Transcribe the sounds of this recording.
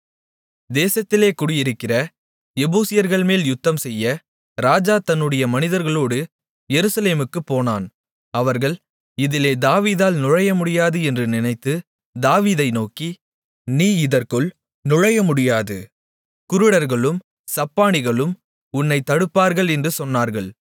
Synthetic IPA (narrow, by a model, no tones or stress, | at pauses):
d̪eːsɐt̪ːɪleːkʊɽɪjɪɾɯkːɪrɐ | ɛbuːsɪjɐɾɣɐɭmeːljʊt̪ːɐmsɛjːɐ | ɾaːd͡ʒaːt̪ɐnːɯɽɐjɐmɐnɪðɐɾɣɐɭoːɽɯ | jɛɾɯsɐleːmɯkːɯpːoːnaːn | ɐʋɐɾɣɐɭ | ɪðɪleːd̪aːʋiːðaːlnʊɻɐjɐmʊɽɪjaːðɯɛndrɯnɪnɐɪt̪ːɯ | d̪aːʋiːðɐɪnoːki | niːɪðɐrkɯɭ | nʊɻɐjɐmʊɽɪjaːðɯ | kʊɾɯɽɐɾɣɐɭɯm | sɐpːaːnɪɣɐɭɯm | ʊnːɐɪt̪ːɐɽɯpːaːɾɣɐɭɛndrɯsɔnːaːɾɣɐɭ